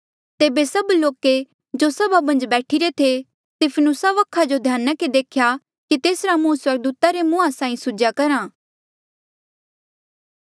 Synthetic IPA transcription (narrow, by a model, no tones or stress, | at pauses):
t̪eːbesɐbloːke | d͡ʒosɐbabɐ̃nd͡ʒbɛːʈʰiɾet̪ʰe | t̪ɪpʰənʊsaʋɐkʰːad͡ʒod̪ʱjaːnəked̪eːkʰja | kit̪eːsɾamũːswɐɾɡ̚d̪uːt̪aɾemʊ̃asãːĩsʊd͡ʒakɐɾãː